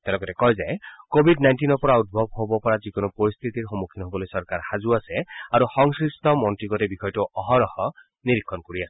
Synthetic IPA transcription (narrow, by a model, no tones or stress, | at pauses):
t̪elɔkɔtekɔjzaekobʱidnajnʈinɔpɔɾaut̪̚bʱɔb̚ʱhobɔpɔɾad͡ʒikunɔpɔɾist̪ʰit̪iɾɦɔmukʰinɦobɔlojsɔɾkaɾhad͡ʒuaseaɾuxɔŋskist̪ʰɔmɔntɾiɡɔtebixɔjtuʔɔɦɔɾɔhɔ | niɾikʰːɔnkoɾiase